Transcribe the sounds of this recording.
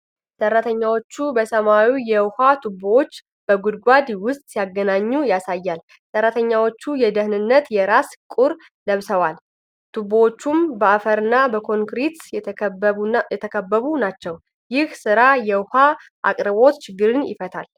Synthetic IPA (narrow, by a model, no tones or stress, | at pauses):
sərːat̪ʰəɲːawo̞t͡ʃːubəsəmawijɛwhat̪ʰubowot͡ʃː | b̥əɡud̪ɡʷad̪wʊst̪ʼsijaɡənaɲːujasajːal | sərat̪ʰəɲːawo̞t͡ʃːujɛd̪əhnɨnːət̪jɛɾaskʼuɾ | ləβsəwal | t̪ʰubowot͡ʃːumbəafəɾɨnːabəkʰo̞ŋkɾit̪ | ɛt̪ʰəkʰəbːəβunat͡ʃːɛw | jɪhsɨɾajɛwhaʔa̰kʼɾɨβo̞t̪t͡ʃʰɪɡːɨɾɨnjɪ̰fət̪ʰal